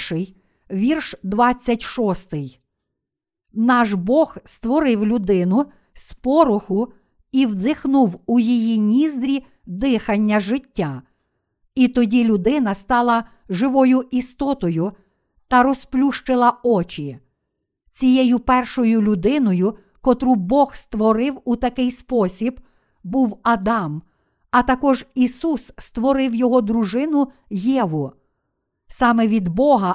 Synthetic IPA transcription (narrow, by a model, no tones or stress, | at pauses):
ʃɪj | ʋʲirʃd̪ʋɑt͡sʲːɐtʲʃɔst̪ɪj | nɑʒbɔxst̪ʋɔɾɪwlʲʊd̪ɪnʊ | spɔɾʊxʊ | iwd̪ɪxnuwujijinʲizd̪ɾʲi | d̪ɪxɐnʲːɐʒɪtʲːa | it̪ɔdʲilʲʊd̪ɪnɐst̪ɑlˠɐ | ʒɪʋɔjʊʔist̪ɔt̪ɔjʊ | t̪ɐɾɔsplʲuʃt͡ʃɪlˠɐɔt͡ʃʲi | t͡sʲijɛjʊpɛrʃɔjʊlʲʊd̪ɪnɔjʊ | kɔt̪ɾubɔxst̪ʋɔɾɪwut̪ɐkɪjspɔsʲib | buwɐd̪ɑm | ɐt̪ɐkɔʒisusst̪ʋɔɾɪwjɔɦɔd̪ɾʊʒɪnʊ | jɛʋʊ | sɑmɛʋʲid̪bɔɦɐ